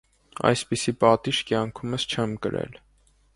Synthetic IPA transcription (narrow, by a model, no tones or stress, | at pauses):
ɑ̰jspisipɑt̪iʃkjɑŋkʰuməst͡ʃʰɛmkəɾɛ̰l